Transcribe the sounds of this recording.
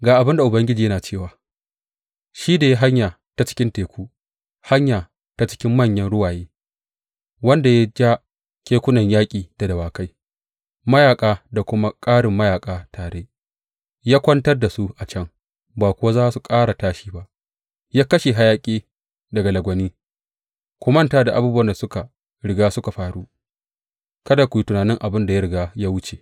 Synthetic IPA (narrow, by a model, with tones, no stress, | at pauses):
ɡaː˨ʔa˨bɪ˦nda˨ʔʊ˨bɐ˦ŋɡʲɪ˦d͡ʒiː˨jɐ˦naː˨t͡ʃeː˦˨waː˨ | ʃiː˦da˨ja˦ɦa˦ɲjaː˨ | ta˨t͡ʃɪ̥˦kʲɪ˦nteː˨kʷuː˦ | ha˦ɲjaː˨ | ta˦t͡ʃɪ̥˦kʲɪ˦mːɐ˦˨ɲjɐ˦nɽʊ˦waː˨jeː˦ | wɐ˦nda˨ja˦d͡ʒa˦ | kʲeː˦kʷʊ˦nɐ˨ɲjaː˦kʲʼiː˨d̥a˨dɐ˨waː˨ka˦j | mɐ˦jaː˨kʼaː˨da˨kʷʊ˦ma˦kʼaː˦ɽɪ˨mːɐ˦jaː˨kʼaː˨tʰaː˨ɽe˦ʔ | jaː˦kʷɐ˦ntɐ˦rda˨su˦ʔa˨t͡ʃɐ˦ŋ | baː˨kʷʊ˦wa˦zaː˦su˨kʼaː˦ɽa˨taː˦ʃiː˦ba˦ʔ | jaː˦kɐ˦ʃe˨ɦa˦jaː˦kʲʼeː˦ | dɐ˨ɡa˨lɐ˨ɡʷɐ˨niː˦ | kʷʊ˦mɐ˦ntaː˦da˨ʔa˨buː˦bu˦wɐ˨nda˨sʊ˦ka˨ | ɽɪ˨ɡaː˦sʊ˦ka˨ɸaː˨ɽu˦ | kɐ˦da˨kʷu˨ji˦tʊ˨naː˨nɪ˦ŋʔa˨bɪ˦nda˨ja˦ɽɪ˨ɡaː˦jaː˦wʊ˦t͡ʃe˨